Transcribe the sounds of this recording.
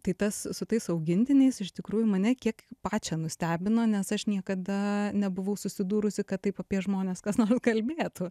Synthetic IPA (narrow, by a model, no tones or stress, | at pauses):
t̪ɐɪt̪ɐssʊt̪ɐɪsɐʊɡʲɪnʲt̪ʲɪnʲɛɪsɪʃt̪ʲɪkɾuːjʊmɐnʲɛkʲiɛkpɑːt͡ʃʲɛnʊsʲt̪ʲæːbʲɪnoːnʲɛsɐʃnʲiɛkɐd̪ɐnʲɛbʊʋɐʊsʊsʲɪd̪uːɾʊsʲɪkɐtt̪ːɐɪpɐpʲiɛʒmoːnʲeːskɐsnoːrskɐlʲbʲeːt̪ʊ